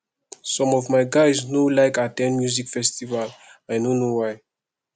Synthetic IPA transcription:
sɔ̃mɔvmajɡaɪznolaɪkatɛ̃nmjuzikfɛstival | ajnonːowaj

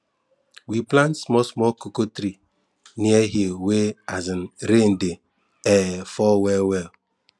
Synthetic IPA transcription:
wiplãntsmɔsmɔkokotɾi | niaɦiweazn̩ɾen̩de | ɛfɔwɛwɛl

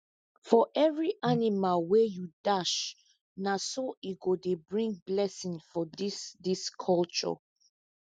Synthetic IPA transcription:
fɔʔɛvɹiʔanimalwejudaʃ | nasoiɡodebɹĩŋɡ̚blɛsĩŋfɔdisdiskʰɔlt͡ʃɔ̰

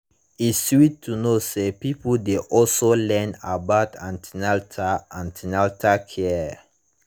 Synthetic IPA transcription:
iswit̚tʰːunosepipldeʔɔlsolɛ̃nabaʊtãntʰinaltʰaãntʰinaltʰakʰɛ

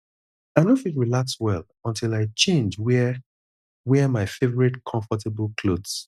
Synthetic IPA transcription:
aɪnoɪfitɹilakswɛl | ɔ̃ntʰilaɪt͡ʃẽnd͡ʒw | wɛmaɪfevɔɹɛtkʰɔ̃ɱfɔtɛblˠkʰlods

